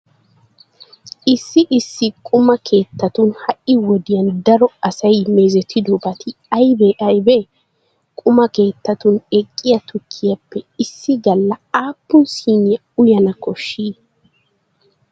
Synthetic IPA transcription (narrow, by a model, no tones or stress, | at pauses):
ʔɪsːɪʔɪsːɪkʼʊmɐkʰe̞ːt̪ːɐt̪ʊnhɐʔɪwɔd̪ɪjɐnd̪ɐɾɔɐsɐjmeːzɛt̪ʰːɪd̪ʊbɐt̪ʰɪɐjbɛʔɐjbɛ | kʼʊmɐke̞ːt̪ːɐt̪ʊnɛkʼːɪjɐt̪ʊkʰːɪjɐpːɛɪsːɪɡɐlːɐaːpːʊnsiːnɪjɐ | ʊjɐnɐkɔʃːiː